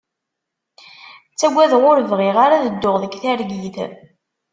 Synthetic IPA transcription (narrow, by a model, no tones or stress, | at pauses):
t͡sːæɡʷːæðʁʊɾəvʁɪʁaɾaðəd̪ːʊʁðəkθæɾɡiθ